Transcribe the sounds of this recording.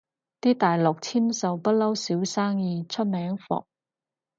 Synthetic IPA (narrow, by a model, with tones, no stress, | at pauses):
t̪iː˥t̪aː˨jlɔ˨k̚t͡sʰiː˥msɐ˨wpɐ˥t̚lɐ˥wsiː˨˥wsaː˥ŋjiː˧t͡sʰɵ˥t̚mɛː˨˥ŋfɔ̰˨k̚